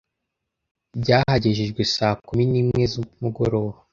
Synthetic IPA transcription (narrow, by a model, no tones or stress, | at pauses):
bɟaːhaɟeʒeʒɡwesaːkuminiːmŋe̞zumuɡo̞ɾo̞ːβo